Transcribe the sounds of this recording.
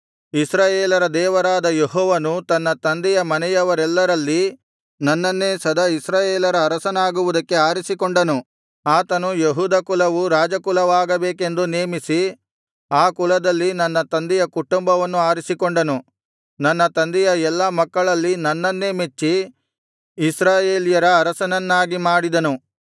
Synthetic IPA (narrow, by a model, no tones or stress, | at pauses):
isɾaːjeːlɐɾɐd̪ɛːʋɐɾaːd̪ɐjeɦɔːʋɐnut̪ɐnːɐt̪ɐnd̪ijɐmɐnɛjɐʋɐɾɛlːɐɾɐlːi | nɐnːɐnːe̞ːsɐd̪ʱɐisɾaːjeːlɐɾɐːɾɐsɐnaːɡuʋud̪ɐkːe̞aːɾisikoɳɖɐnu | aːt̪ɐnujeɦuːd̪ɐkulɐʋuɾaːd͡ʒɐkulɐʋaːɡɐbeːke̞nd̪uneːmisi | aːkulɐd̪ɐlːinɐnːɐt̪ɐnd̪ɛjɐkuʈumbɐʋɐnːuaːɾisikoɳɖɐnu | nɐnːɐt̪ɐnd̪ɛjɐɛlːɐmɐkːɐɭɐlːinɐnːɐnːeːmet͡ʃːiː | sɾaːjeːlijɐɾɐːɾɐsɐnɐnːaːɡimaːɽid̪ɐnu